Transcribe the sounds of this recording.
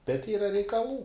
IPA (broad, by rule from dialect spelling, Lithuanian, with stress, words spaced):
bʲɛt ˈiːrɐ rʲɛɪkɐˈlˠuː